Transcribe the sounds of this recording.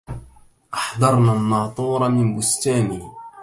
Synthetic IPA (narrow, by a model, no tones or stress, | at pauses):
ʔɑħd̪ˤɑɾˤnanːɑːt̪ˤuːɾˤɑmɪnbʊst̪aːniː